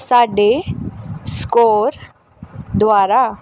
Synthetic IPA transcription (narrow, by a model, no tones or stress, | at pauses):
saɖe | skoɾ | d̪ʋaɾa